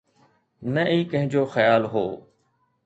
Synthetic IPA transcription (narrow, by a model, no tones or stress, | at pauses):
nəʔiːkə̃ɦɪ̃d͡ʑoːxəjaːlɦoː